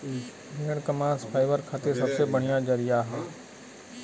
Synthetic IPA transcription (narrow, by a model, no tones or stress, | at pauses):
ɾeːɽ̃kəmãːspʰaːɪʋəɾkʰaːt̪esɐbsebəɽ̤ɪjãd͡ʒəɾɪjaːɦaː